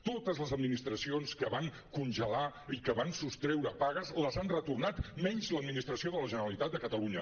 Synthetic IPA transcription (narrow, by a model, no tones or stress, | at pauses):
t̪ot̪əzləzəd̪minist̪ɾəsionskəβaŋ | kunʲʒəlaikəβansust̪ɾɛwɾəpaɣəzləzanrət̪urnat̪mɛɲzləd̪minist̪ɾəsioðələʒənəɾəlit̪at̪̚d̪əkət̪əluɲə